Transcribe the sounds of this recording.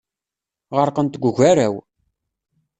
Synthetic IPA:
ʁəɾqənt̪ɡʷʊʝʷæɾæw

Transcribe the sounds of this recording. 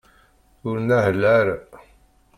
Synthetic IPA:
ʊɾnæhəlːæɾ

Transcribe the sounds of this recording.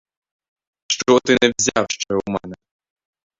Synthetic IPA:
ʃt͡ʃɔt̪ɪnɛwzʲawʃt͡ʃɛumɛnɛ

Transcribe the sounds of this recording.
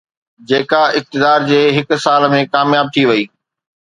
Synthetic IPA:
d͡ʑeːkaɪk̚t̪ɪd̪aːɾd͡ʑeːɦɪk̆saːlmẽkaːmjaːb̚t̪ʰiʋɐiː

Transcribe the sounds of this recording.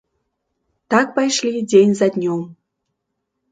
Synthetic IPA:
t̪ɑk̚pɑjʃlʲidʲenʲzɑd̪ʲnʲom

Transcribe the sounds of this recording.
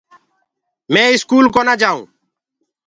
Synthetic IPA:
mẽːɪskuːlkoːnaːd͡ʒaːṵ̃ː

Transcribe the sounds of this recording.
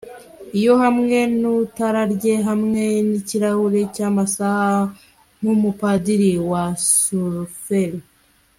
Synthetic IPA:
ijo̞hamŋe̞nutaɾaɾɟe̞ɦamŋe̞niciɾahuɾe̞caːmasaha | mumupadiɾiwasuɾfeɾi

